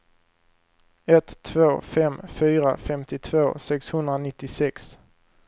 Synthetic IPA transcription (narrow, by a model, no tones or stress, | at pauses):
ɛt̪ʰːvoːfɛmfyːɾa̰fɛmt̪ɪt̪ʰvoːsɛkshɵnd̪ɾanɪt̪ːɪsɛks